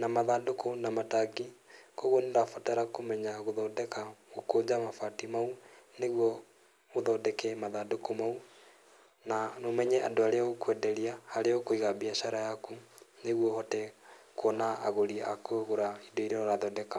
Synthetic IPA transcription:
namaðadokonamataɡikoɣwɔneɾafataɾakomɛɲaɣoðɔːdɛkaɣokoːd͡ʑamafatimauneɣwɔ | oðɔdɛkɛmaðadokomau | nanomɛɲɛandoaɾeaɣokwɛdɛɾiahaɾeɔkoiɣabiaʃaɾajakuneɣwɔhɔtɛkwɔnaːɣoɾiakoɣoɾaidoiɾeɔɾaðɔdɛka

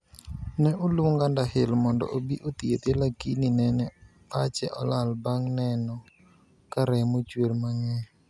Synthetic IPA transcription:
nɛʔoloŋɡandahɪlmɔndɔ̰ʔobiʔot̪iet̪elakininɛnɛ | at͡ʃɛʔɔlalbaŋnɛnɔ | kaɾɛmot͡ʃwelmaŋɛ

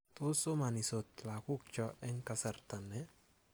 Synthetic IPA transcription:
t̪osomanisot̪lakuk̚t͡ʃɔʔɛŋkasart̪anːɛ

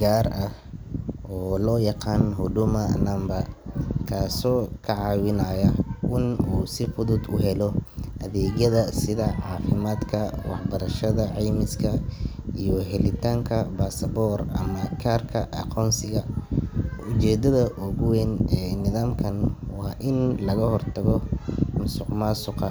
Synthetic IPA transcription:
ɡaːrɐh | ʔɔːlɔːjɑqɑːnɦʊdʊmɐnɐmbɐkʰaːsɔːkʰɐʕɑːwɪnaːjɐʔɪnuːsɪfʊðʊd̪ʊɦɛlɔʔɐðɛːɣjɐðɐsɪðɐʕɑːfɪmaːd̪kʰɐwɑ̰ħbɐɾɐʃɐðɐʕɛjmɪskʰɐijɔɦɛlɪt̪ʰaːŋkʰɐbaːsɐbɔːrɐ̰mɐkʰaːrkʰɐʔɐ̰qʰɔːnsɪɣɐ | ʊt͡ʃɛːd̪ɐðɐʔɔɣʊwɛnɛːnɪðaːmkʰɐnwɑːʔɪnlɐɣɐhɔrt̪ʰɐɣɔmʊsʊqmaːsʊqɑ

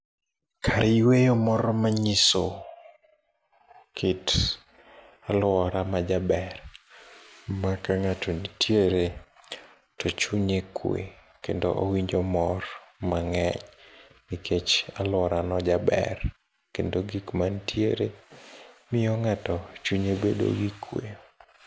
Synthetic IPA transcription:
kʰaɾiwejɔmɔɾɔmaɲiso | kʰɪt | alwɔɾamad͡ʒabɛr | makaŋatonitʰjeɾe | tɔt͡ʃuɲekʰwḛ | kḛndo̰ʔowiɲd͡ʒɔmɔrmaŋɛɲnikʰet͡ʃalwɔɾanɔd͡ʒabɛ̰r | kendoɡikmantʰjeɾe | mɪjɔŋatɔt͡ʃuɲebḛdo̰ɡikʰːwe

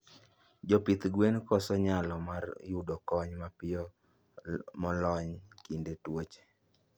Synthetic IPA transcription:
d͡ʒɔpit̪ɡwenkɔsɔɲalɔmarjudɔkɔɲmapɪɔ | mɔlɔɲkindetwot͡ʃe̥

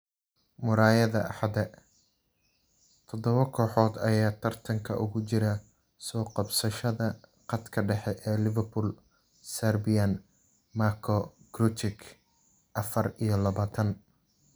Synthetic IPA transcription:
mʊɾaːjɐðɐʔɑ̰ħɑd̪ɛ | t̪ʰɔd̪ɔβɐkʰɔːħɔːd̪ɐjaːt̪ʰɐrt̪ʰɐŋkʰɐ̰ʔʊ̰ɣʊt͡ʃɪɾɐ | sɔːqɑbsɐʃɐðɐqɑd̪kʰɐɖɛħɛʔɛːlɪvɐrpʰʊl | sɐrbɪjɐn | makʰɔɡ̥ɾʊt̪ʰɪkʰ | ʔɐfɐrijɞlɐβaːt̪ʰɐn

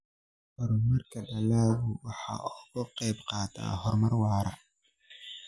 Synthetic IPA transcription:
hɔɾmɐrkʰɐɖɐlaːɣʊwɑħɑ̰ːʊɣʊqɛjbqɑːt̪ʰa̰ːɦɔrmɐrwɑːɾɐ̰

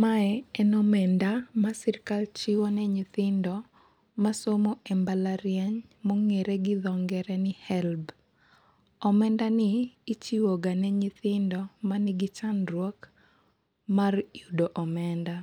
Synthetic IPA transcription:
maɛɛnɔmɛndamasiɾkalt͡ʃiwonɛɲit̪ɪndɔ | masomoʔɛmbalaɾjɛɲ | mɔŋeɾɛɡɪd̪ɔŋɡɛɾɛnɪhɛlb | ɔmɛndanɪːt͡ʃiwoɡanɛɲit̪ɪndɔmanɪɡɪt͡ʃanrwɔk | marjudoʔɔmɛnda

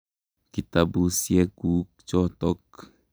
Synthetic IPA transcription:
kit̪abusjekukt͡ʃot̪ok

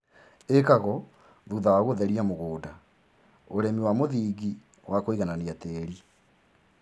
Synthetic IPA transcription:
ekaɣɔ | ðuðawaɣoðɛɾiamoɣoːda | oɾemiwamoðiːɡi | wʔakoiɣananiateɾi

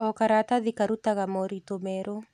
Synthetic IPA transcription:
ɔkaɾat̪aðikaɾut̪aɣamɔɾit̪omɛɾo

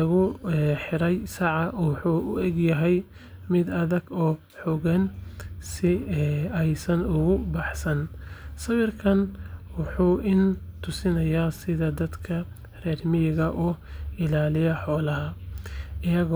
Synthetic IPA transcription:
ɐɣʊɛħɪɾɛjsɑʕɑʔħuːʔʊɛɡjɐɦɛj | mɪd̪ɐðɐɡɔː | ħɔɣɐnsɪɛjsɐnʊɣʊbɑħsɐnsɐwɪrkʰɐnwʊħuːʔɪn | t̪ʰʊsɪnɐjaːsɪðɐd̪ɐd̪kʰɐ | rɛːrmɪjɣɐʔɔːɪlaːlɪjɐħɔːlɐɦɐʔɪjɐɣɔ

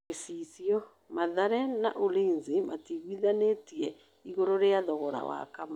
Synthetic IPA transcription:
esisiɔ | maðaɾɛnaʔolinzimatiɣwiðanetiɛ | iɣoɾoɾeaðɔɣɔɾa̰wa̰kam

